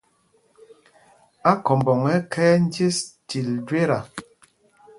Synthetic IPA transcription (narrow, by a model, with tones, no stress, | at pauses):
a˦kɔ˨mbɔ˨ŋɛ˦kʰɛː˦n̩˦d͡ʒe˦sti˨ldwe˦ɾa˨